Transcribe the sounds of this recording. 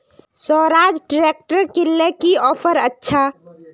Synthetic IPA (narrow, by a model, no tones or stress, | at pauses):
sɔːɾaːd͡ʒɖɾeːk̚ʈəɾkɪlːekiɔːpʰəɾətːʃʰaː